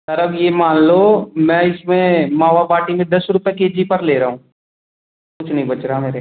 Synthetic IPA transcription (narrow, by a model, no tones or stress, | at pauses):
sɐɾəkjeːmaːnlomɛ̃ːɪsmẽmaːʋapaːʈimẽd̪ɐsɾupekeːd͡ʒipɐɾleːɾɐɦũː | kʊt͡ʃʰnɐɦĩbɐt͡ʃɾaɦameːɾe